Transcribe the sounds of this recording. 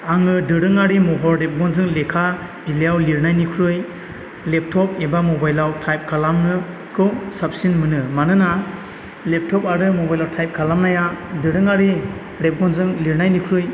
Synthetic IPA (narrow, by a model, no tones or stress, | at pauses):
aŋɯdɯɾɯŋaɾimɔɦɔɾɾep̚ɡɔnzɯŋlekʰab̥ilejawliɾnajnikʰɾɯj | lep̚tʰɔp̚ebamɔbajlawtʰajp̚kʰalamnɯ | kʰɯwsap̚sinmɯnɯmanɯna | lep̚tʰɔpaɾɯmobajlawtʰajp̚kʰalamnajadɯɾɯŋaɾi | ɾep̚ɡɔnzɯŋliɾnajnikʰɾɯj